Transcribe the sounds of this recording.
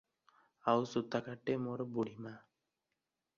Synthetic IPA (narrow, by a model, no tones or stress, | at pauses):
awsut̪ːakaʈːemoɾbuɽima